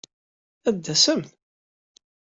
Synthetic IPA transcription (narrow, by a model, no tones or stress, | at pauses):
æd̪ːæsəmθ